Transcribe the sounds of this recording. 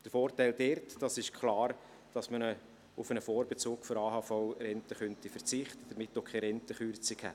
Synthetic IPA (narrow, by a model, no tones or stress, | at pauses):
d̥əɾfoːɾrtæɪld̥ɛɾtd̥ɑsɪʃkʰlɑːɾ | d̥ɑsmənə | ʊfənəfoːɾbɛt͡suːkfɔɾɑːɦɑːfɔʊɾɛntəχœntifərt͡sɪχt̪əd̥əɾmɪtːokʰɛɪɾɛntəχyɾt͡sɪkhɛ̰t